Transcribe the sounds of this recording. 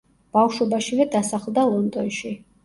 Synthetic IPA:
b̥awʃwɛbaʃivɛd̪asaχlˠd̪alˠɔnd̪ʼɔnʃi

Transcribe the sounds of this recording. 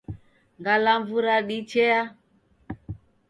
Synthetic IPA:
ŋɡalaɱvuɾaɗit͡ʃɛa

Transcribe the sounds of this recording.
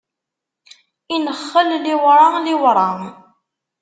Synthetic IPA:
inəχːəllɪwɾˤɑlɪwɾˤɑŋ

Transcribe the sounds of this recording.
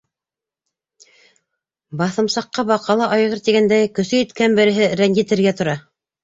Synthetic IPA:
bɑθɤ̆msɑqːɑbɑqɑlˠɑʔɑjʁɤɾt̪iɡænd̪æjkɵ̆sɵjit̪kænbɘ̆ɾɘ̆ɦɘɾænjɘ̆t̪ɘ̆ɾɡæt̪ŏɾɑ

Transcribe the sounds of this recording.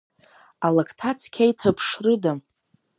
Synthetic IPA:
alakʰtʰat͡sʰkʲʰajtʰapʰʂrɨdam

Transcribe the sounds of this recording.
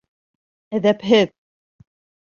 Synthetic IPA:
æðæpɦɘð

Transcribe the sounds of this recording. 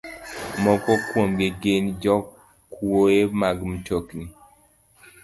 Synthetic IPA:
mɔkɔkwomɡeɡend͡ʒɔk | koemaɡmtokni

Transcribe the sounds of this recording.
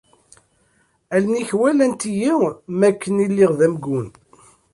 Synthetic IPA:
ælniçwælænt̪ijiwmækʰːənilːiʁðæmɡun

